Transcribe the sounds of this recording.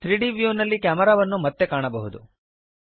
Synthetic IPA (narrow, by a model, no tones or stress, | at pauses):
t̪ɾiːɖiːʋjunɐlːikʲaːmɐɾaːʋɐnːumɐt̪ːe̞kaːɳɐbɐɦud̪u